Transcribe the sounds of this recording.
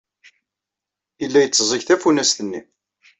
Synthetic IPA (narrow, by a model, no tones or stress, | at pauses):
ilːæjət͡sːəzˤiçθæfunæsθənːḭ